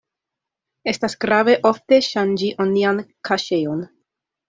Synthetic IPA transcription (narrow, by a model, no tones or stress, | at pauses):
e̞stasɡɾave̞ʔo̞fte̞ʃand͡ʒiʔoniankʰaʃe̞jo̞n